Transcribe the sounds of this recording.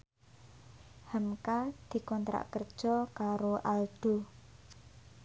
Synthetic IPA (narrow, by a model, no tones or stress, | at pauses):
hamkad̪̥i̤kɔnt̪ɾa̰ʔkərd̥ʒ̥ɔ̤kaɾoʔalɖ̥o̤